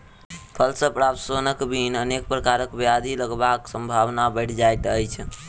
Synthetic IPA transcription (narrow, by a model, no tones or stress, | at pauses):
pʰəlsəpɾapsonəkbʱinənek̚pɾəkaɾəkbad̪ʱiləɡbaksəmbʱaʋnabəɪʈʰd͡ʒajt̪əjt͡ʃʰ